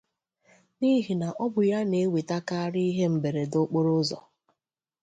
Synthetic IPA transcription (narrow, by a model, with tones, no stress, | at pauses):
ni˦ɦi˨na˨ʔɔ˦bʊ˨ja˦ne˨˦wi˨ta˦ka˦a˦ɾi˦ɦe˦m̩˨be˨ɾe˨do˦k͡po˦ɾʊ˦zɔ̰˨